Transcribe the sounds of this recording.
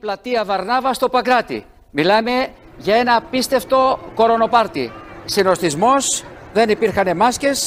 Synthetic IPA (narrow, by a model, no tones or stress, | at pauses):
plɐt̪iɐvɐɾnɐvɐst̪o̞pɐkɾɐt̪ḭ | milɐme̞ | ʝɐe̞nɐːpist̪e̞ft̪o̞ko̞ɾo̞no̞pɐɾt̪ḭsino̞st̪izmo̞sðe̞nipiɾxɐnemɐsce̞s